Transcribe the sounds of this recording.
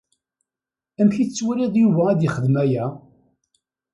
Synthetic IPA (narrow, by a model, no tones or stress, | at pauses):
æmçiθət͡sːwæliðˤjuvææðjəχəðmæjæ